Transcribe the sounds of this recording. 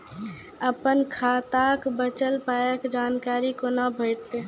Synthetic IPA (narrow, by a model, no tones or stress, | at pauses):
əpənkʰaːt̪aːkbət͡ʃəlpaːjəkd͡ʒaːnkaːɾikonabʱəɪʈt̪e